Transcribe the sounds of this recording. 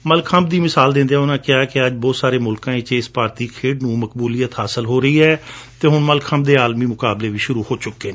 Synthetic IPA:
məlkʰəmbd̪iːmɪsaːld̪ɪ̃nd̪eɛːʊnãːkɪaːɛkɪəd͡ʒbɔːt̪saːɾeːmʊlkãːẽt͡ʃɪspaːɾt̪iːkʰeːɖnũːməkbuːliːət̪haːsəlɦoːɾəiːɦɛːt̪eːɦʊnməlkʰəmbd̪eːaːlmiːmʊkaːbleːʋiːʃʊɾuːhoːt͡ʃʊkːeːneː

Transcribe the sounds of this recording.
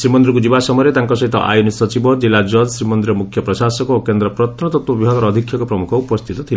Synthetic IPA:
sɾimɔnd̪ɾuŋkud͡ʒibasɔmɔjɔɾet̪aŋkɔsɔɦit̪ɔ̰ʔa̰junisɔt͡ʃibɔd͡ʒilad͡ʒɔd͡ʒsɾimɔnd̪ɾiɾɔmukʰjɔpɾɔʃasɔkɔokend̪ɾɔpɾɔt̪ʰɔnɔt̪ɔt̪wɔbibʱɔɡ̪ɔɾɔːd̪ʱikʰːjɔŋkɔpɾɔmukʰɔupɔst̪ʰit̪ɔt̪ʰil

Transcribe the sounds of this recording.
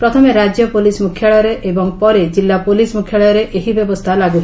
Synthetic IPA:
pɾɔt̪ʰɔmeɾad͡ʒjɔpolismukʰjaɭɔɾeʔebɔŋpɔɾed͡ʒilːapolismukʰjaɭɔjɔɾeʔeɦibjɔbɔst̪ʰalaɡut̪ʰ

